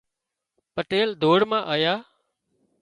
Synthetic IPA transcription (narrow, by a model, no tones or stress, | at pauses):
pəʈeːld̪ʱoːɽmãːʔəjaː